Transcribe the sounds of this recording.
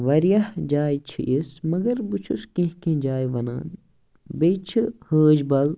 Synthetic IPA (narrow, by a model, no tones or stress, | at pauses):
ʋɐɾjɐhd͡ʒaːjt͡ʃʰḭʔismɐɡɐɾbut͡ʃʰṵskẽɦkẽːd͡ʒaːjʋɐna̰ːn | bejt͡ʃʰihəːd͡ʒbɐl